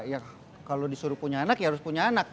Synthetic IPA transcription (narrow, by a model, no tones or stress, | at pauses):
ja | kalodisuɾʊpuɲaːnakjahaɾʊspuɲaːnak̚